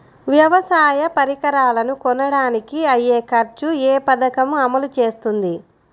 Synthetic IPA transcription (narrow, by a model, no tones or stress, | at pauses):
ʋjɐʋɐsaːjɐpɐɾikɐɾaːlɐnukɔnːɐɽaːnikiɐjːeːkɐɾt͡ʃueːpɐd̪ɐkɐmuɐmɐlut͡ʃe̞ːst̪und̪i